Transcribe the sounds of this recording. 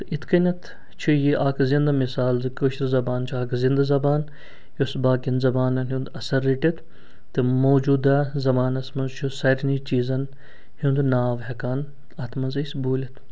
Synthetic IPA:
t̪it̪kinɐt̪ | t͡ʃʰujiʔaːkzind̪ɐmisaːlzɨkoʃɾzɐbaːnt͡ʃʰuaːkzind̪ɐzɐbaːn | josbaːkinzɐbaːnɐnɦũnd̪ɐsɐɾːiʈit̪ | t̪ːɨmoːd͡ʒuːd̪azɐbaːnɐsmɐnzt͡ʃʰusɐɾnit͡ʃiːzɐn | hund̪unaːʋɦɛkaːn | ɐt̪ʰmɐnzɐsbuːlit̪ʰ

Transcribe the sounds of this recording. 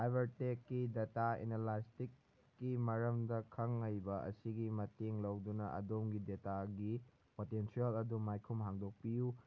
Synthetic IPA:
dajbɐɾtekːidetaḛnelastikː | imɐɾɐmdɐkʰɐŋɐjbɐɐ̰siɡimɐteŋlɐwdunɐɐ̰domɡidetaɡi | potensiɐlɐdumajkʰumɦaŋdok̚piju

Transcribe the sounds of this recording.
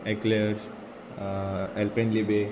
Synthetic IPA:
ekleɾs | elpẽnlibe

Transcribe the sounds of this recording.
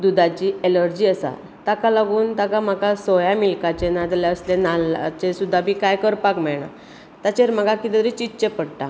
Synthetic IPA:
d̪ud̪ʱat͡ɕiːʔeləɾd͡ʑiːəsa̰ | t̪akalaɡuːnt̪akam̤akasɔjamilkat͡ɕenad͡z̪ljaəslenalat͡ɕesud̪ʱːabʱiːkajkəɾpakmɛɭɳa̰ | t̪at͡ɕeɾm̤aɡakit̪ɛ̃t̪ɾit͡ɕitt͡ɕepəɽʈa̰

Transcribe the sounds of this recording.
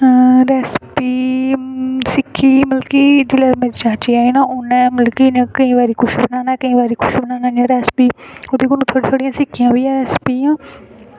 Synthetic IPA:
ɾɛːspiː | sɪkʰːiːməlkiːd͡ʒɪlɛːɾmẽt͡ʃãːt͡ʃiːaːiːnaːʔʊnɛ̃ːməlkiːneːkəĩːʋaːɾiːkʰʊʃbənaːnaːkəĩːʋaːɾiːkʰʊʃbənaːnaːnijãːɾɛːspiːoːd̪eːkonũːt̪ʰoːɽiːt̪ʰoːɽijãːsɪkʰːijãːɦoiːjãːɾɛːspiːãː

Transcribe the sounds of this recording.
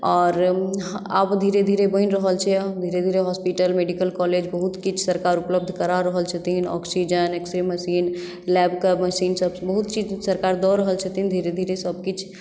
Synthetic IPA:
ɔːɾ | a̰pd̪ʱiɾed̪ʱiɾebəinɾəɦəlt͡ʃʰɛd̪ʱiɾed̪ʱiɾeɦɔspiʈəlmeɖikəlkɔled͡ʒbəɦut̪kit͡ʃʰsəɾkaɾupləb̚d̪ʱkəɾaɾəɦəlt͡ʃʰət̪iɦinɔ̰ksid͡ʒəneksɾiməsin | lɛbkəbməsinsəbsbəɦut̪t͡ʃid͡ʒsəɾkaɾd̪ɔɾəɦəlt͡ʃʰət̪ind̪ʱiɾed̪ʱiɾesəb̚kit͡ʃʰ

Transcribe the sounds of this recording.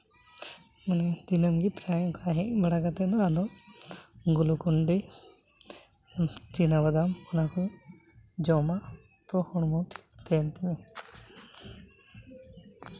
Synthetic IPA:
manɛd̪inəmɡipɾajɔkaɦɛʔbaɽaɡat̪ɛd̪ɔad̪ɔ | ɡulukuɳɖe | t͡ʃinabad̪amunaku | d͡ʒɔma | t̪ɔhɔɽ̃mɔt̪ʰt̪ɛnt̪ime

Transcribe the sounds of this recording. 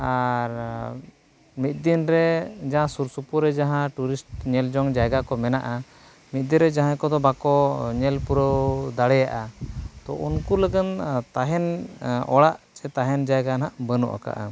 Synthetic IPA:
aɾ | mit̪̚ˀd̪inɾɛd͡ʒaɦãsuɾsupuɾɛd͡ʒaɦãʈuɾisʈɲɛld͡ʒɔŋd͡ʒajɡakɔmɛnaʔa | mit̪̚d̪inɾɛd͡ʒaɦãkɔd̪ɔbakɔɲɛlpuɾəwd̪aɽɛjaʔat̪ɔʔunkuləɡənt̪aɦɛnɔɽaʔt͡ʃɛt̪aɦɛnd͡ʒajɡanaʔbənṵʔa̰ka̰ʔa̰

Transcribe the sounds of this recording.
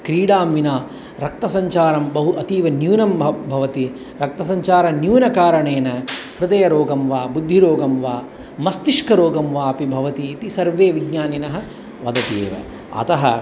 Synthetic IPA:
kɾiːɽaːmʋinaː | ɾɐk̚t̪ɐsɐɲt͡ʃaːɾɐmbɐɦuʔɐt̪iːʋɐnjuːnɐmbʱɐʋɐt̪i | ɾɐk̚t̪ɐs̬ɐɲt͡ʃaːɾɐnjuːnɐkaːɾɐɳeːnɐpɾɨd̪ɐjɐɾoːɡɐmʋaːbud̪ʱːiɾoːɡɐmʋaː | mɐst̪iʂkɐɾoːɡɐmʋaːɐpibʱɐʋɐt̪iːt̪isɐɾʋeːʋiɡɲaːninɐɦɐ̆ | ʋɐd̪ɐt̪ḛːʋɐ̰ | ɐ̰t̪ɐɦɐ̰

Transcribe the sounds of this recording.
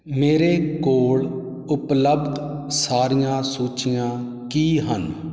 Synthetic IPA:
meːɾeːkoːɭ | ʊpləbd̪saːɾɪjãːsuːt͡ʃɪjãː | kiːɦən

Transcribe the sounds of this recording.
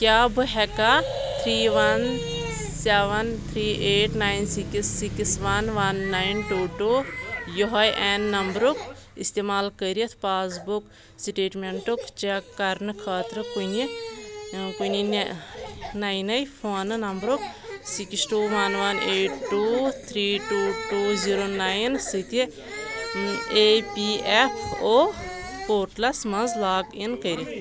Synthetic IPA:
kʲaːbɨɦɛkat̪ʰɾiːʋɐn | seʋɐnt̪ʰɾiːʔeːʈnajnsikisːikisʋɐnʋɐnːainʈuːʈuːjoɦɐjʔɛnːɐmbɾukist̪eːmaːlkəɾijɐt̪ʰpaːs̬buk | sʈeːʈmeɳʈukt͡ʃakɐɾnɨkʰaːt̪ɾɨkuni | kunin | naːjnɐjpʰoːnnɐmbɾuksiksʈuːʋɐnʋɐneːʈːuːt̪ʰɾiːʈuːʈuːziːɾonajnsɨt̪i | epiepʰoː | oːʈlɐsmɐnzlaːɡinkəɾɐt̪ʰ

